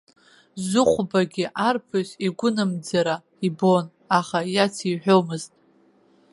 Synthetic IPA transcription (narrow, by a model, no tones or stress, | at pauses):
zʊχʷbaɡʲɪʔarpʰɨziɡʷʊnɨmd͡zaɾa | ibo̞n | aχajat͡sʰiħʷᶣomɨztʼ